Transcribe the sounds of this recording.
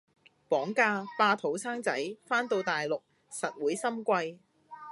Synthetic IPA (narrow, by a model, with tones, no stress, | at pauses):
pɔː˨˥ŋkaː˧paː˧t̪ʰo˨˥wsaː˥ŋt͡sɐ˨˥jfaː˥nt̪o˧wt̪aː˨jlʊ˨k̚ | sɐ˨t̚wuː˨˥jsɐ˥mkʷɐ˧j